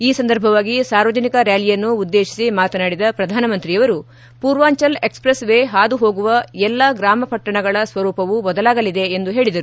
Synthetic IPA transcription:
iːsɐnd̪ɐɾbʱɐʋaːɡisaːɾʋɐd͡ʒɐnikɐɾjaːlijɐnːuːd̪ːe̞ːʃi̥simaːt̪ɐnaːɽid̪ɐpɾɐd̪ʱaːnɐmɐnt̪ɾijɐʋɐɾu | puːɾʋaːɲt͡ʃɐlekspɾesʋeːɦaːd̪uɦo̞ːɡuʋɐɛlːɐɡɾaːmɐpɐʈːɐɳɐɡɐɭɐsʋɐɾuːpɐʋubɐd̪ɐlaːɡɐlid̪e̞ːnd̪uɦe̞ːɭid̪ɐɾu

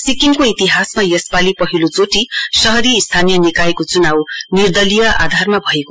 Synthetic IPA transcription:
sikiŋkoit̪iɦasmajʌspalipʌɦilot͡soʈisʌɦʌɾist̪ʰanijʌnikajkot͡sunawnird̪ʌlijʌʔa̰d̪ʱarmabʱʌeko

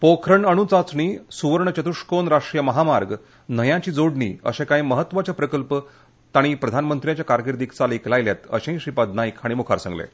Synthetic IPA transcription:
pokʰɾəɳəɽ̃ut͡sat͡sɳiːsuʋəɾɳət͡ɕət̪uʂkonɾaʂʈɾijəməɦamaɾɡ | nəjãt͡ɕiːd͡zoɽɳḭːə̰ɕẽkaĩməɦət̪ːʋat͡ɕapɾəkəlpə | t̪aɽ̃ipɾəd̪ʱanmənt̪ɾijãt͡ɕjakaɾɡiɾd̪ikt͡saliklajljat̪ə̰ɕẽĩɕipad̪naikaɽ̃imukʰaɾsa̰ŋɡlḛ

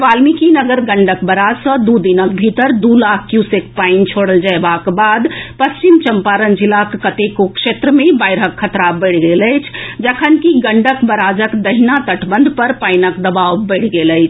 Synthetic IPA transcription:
ʋalmikinəɡəɾɡəɳɖəkbəɾad͡ʒsə̃d̪ud̪inək̚bʱit̪əɾd̪ulakʰkjusekpant͡ʃʰoɽəld͡ʒaebakbad̪pəst͡ʃimt͡ʃəmpaɾənd͡ʒilakːət̪ekokʃet̪ɾəmebaɪɾɦəkʰːət̪ɾabəɪɽɡeləjt͡ʃʰd͡ʒəkʰənkiɡəɳɖəkbəɾad͡ʒəkd̪əɦinat̪əʈʰbə̃nd̪ʱpəɾpaɪnəkd̪əbawbəɪɽ̤ɡeləɪt͡ʃʰ

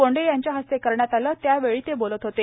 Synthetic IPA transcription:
oɳɖejaɲt͡ɕjaɦəst̪ekəɾɳjat̪aləːt̪jaʋeɭiːt̪ebolət̪ɦot̪e

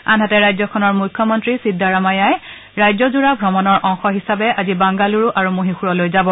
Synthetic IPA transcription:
anɦatɛɹajzɔkʰɔnɔɹmujkʰːɔmɔntɹisidʱːaɹamajaj | ɹajzɔzuɹabʱɹɔmɔnɔɹʔɔŋxɔɦisabɛʔazibaŋɡaluɹuʔaɹumoɦixuɹɔlojzabɔ

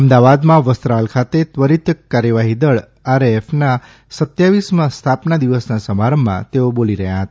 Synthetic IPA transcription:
əmd̪aʋad̪mãʋəst̪ɾalkʰat̪et̪ʋəɾit̪kːaɾjəʋaɦid̪əɭ | aɾefna | sət̪jaʋismãst̪ʰapnad̪iʋəsnasəmaɾəmːã̰t̪eoboliɾəɦja̰ɦət̪a

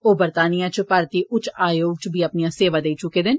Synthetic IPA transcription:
oːbəɾt̪aːnɪjãːt͡ʃpaːɾt̪iːʔʊt͡ʃaːjoːɡ̚t͡ʃbʱiːəpnijãːseːʋaːd̪eiːt͡ʃʊkeːd̪ɪn

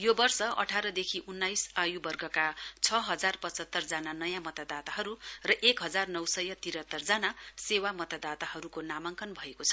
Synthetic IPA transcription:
jobʌrsʌʌ̰ʈʰaɾʌd̪ekʰiʔunːajsajubʌrɡʱʌkat͡sʰʌɦʌd͡zarpʌt͡sʌt̪ːʌrd͡zananʌjãmʌt̪ad̪at̪aɦʌɾurʌʔekɦʌd͡zarnʌwsʌjʌt̪iɾʌt̪ːʌrd͡zanasewamʌt̪ad̪at̪aɦʌɾukonamaŋkʰʌnbʱʌekot͡sʰʌ

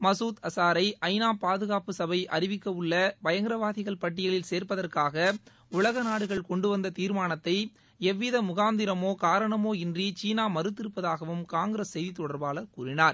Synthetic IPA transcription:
mɐsuːt̪ɐsaːɾɐɪʔɐɪnaːpaːðɯɣaːpɯsɐbɐɪʔɐrɪʋɪkːɐʋɯɭːɐʋɐjɐŋɡɪɾɐʋaːðɪɣɐɭpɐʈːɪjɐɭɪlseːɾpɐðɐrkaːɣɐ | ʊɭɐɣɐnaːɽɯɣɐɭkɔɳɖɯʋɐnd̪ɐt̪iːɾmaːɳɐt̪ːɐɪ | ɛʋːɪðɐmʊɣaːnd̪ɪɾɐmoːkaːɾɐɳɐmoːɪndrit͡ʃiːnaːmɐɾɯt̪ːɪɾɯpːɐðaːɣɐʋɯmkaːŋɡɪɾɐsːɛjðit̪ːɔɽɐɾbaːlɐkːuːɾɪnaːɾ

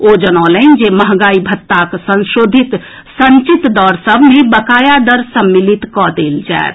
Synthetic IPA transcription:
od͡ʒɐnaːlend͡ʒeməɦɡaːibʱɐt̪ːaksə̃nʃoːd̪ʱɪt̪ | sə̃ɲt͡ʃɪt̪d̪ɔːɾsəbʱmẽbəkaːjad̪əɾsəmːɪlɪt̪kɔd̪eːld͡ʒa̰ḛt̪

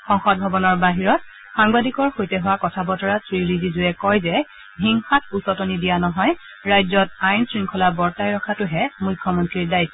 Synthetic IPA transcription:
xɔ̃ŋxɔt̚bʱɔbɔnɔɹbaɦiɹɔt̚ | xaŋbadikɔɹxojtɛɦʊwakɔtʰabɔtɔɹasɹiɹizizʊɛkɔjzɛ | bʱiŋxat̚ʰusɔtonidijanɔɦɔj | ɹajzɔtajnsɹiŋkʰɔlabɔɹtajɹɔkʰatʊɦɛmʊjkʰːjɔmɔntɹiɹdajtː

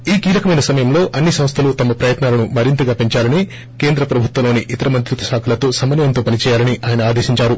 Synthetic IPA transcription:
iːkiːlɐkɐmɐjnɐsɐmɐjɐmlo̞ːʔɐnːisɐmst̪ʰɐlut̪ɐmɐpɾɐjɐt̪naːlɐnumɐɾint̪uɡaːpeɲt͡ʃaːlɐni | ke̞ːnd̪ɾɐpɾɐbʱut̪wɐlo̞ːniʔit̪ɐɾɐmɐnt̪ɾut̪ɐ̥ʃaːkʰɐlɐt̪o̞ːsɐmɐnjɐnt̪o̞ːpɐnit͡ʃɛːjaːlɐniʔaːjɐnɐaːd̪eːʃiɲt͡ʃaːɾu

